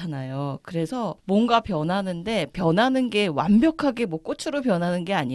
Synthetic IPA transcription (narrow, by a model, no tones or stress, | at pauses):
anajokɯɾe̞sʰʌmwʌnɡapjʌnɦanɯnde̞pjʌnɦanɯnɡe̞wanbjʌkʰaɡe̞mwʌk͈ot͡ɕʰɯɾop̬jʌnɦanɯnɡe̞aɲi